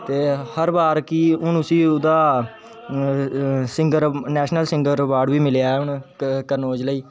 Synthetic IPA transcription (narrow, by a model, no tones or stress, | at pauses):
t̪eːhəɾbaːɾkiʊnʊsiːʊd̪aː | sɪ̃ŋɡəɾnɛːʃnəlsɪ̃ŋɡəɾəʋaːɾɖʋiːmɪljaːɛːʊɳkəɾnoːd͡ʒləiː